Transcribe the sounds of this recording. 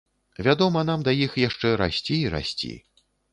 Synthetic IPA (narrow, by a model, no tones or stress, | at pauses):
vʲad̪ɔmɐn̪amd̪ɐjixjaʂt͡ʂɛɾa̰sʲt͡sʲiɾa̰sʲt͡sʲḭ